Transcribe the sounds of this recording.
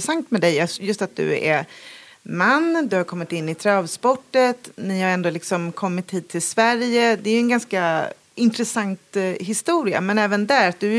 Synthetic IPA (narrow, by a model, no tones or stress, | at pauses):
sant̪mɛd̪ɛjjɑjɵst̪at̪̚d̪ɵ̰æ̰ɾ | manːd̪ɵhaɾkʰɔmːɪt̪ɪnːɪt̪ʰɾɑvspɔʈːət̪nɪhaɾɛnd̪oːlɪksɔmkʰɔmːɪt̪hiːd̪̚t̪ʰɪlsvæɾjəd̪ɛːjɵɛnɡanska | ɪnt̪ɾɛsant̪ɦɪst̪uːɾɪa̰mɛnɛːvənd̪æɾat̪̚d̪ɵ